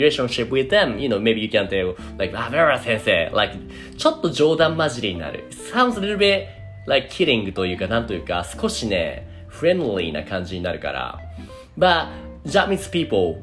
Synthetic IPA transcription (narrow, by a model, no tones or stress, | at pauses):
ileʃõnʃipwiðẽmjɨnoʊmebijɨkʲæ̃nt̪e | laɪkavɛvəsẽɰseːlʔa̰ɪk | t͡ɕo̞t̪ːo̞d͡ʑo̞ːd̪ãmːaʑiɾʲiɲ̟ina̰ɾɯ̟̰ | sãʊ̃nd̪zɾeɾɨbe | laɪkkʰːiɾĩŋɡɯ̟t̪o̞jɯ̟ːkanãnt̪o̞jɨ̟ːkasɨ̥ko̞ɕine̞̰ | fɾẽnd̪lḭna̰kãɲ̟d͡ʑiɲ̟inaɾɯ̟ka̰ɾa̰ | ba | d͡ʒamĩspiːpl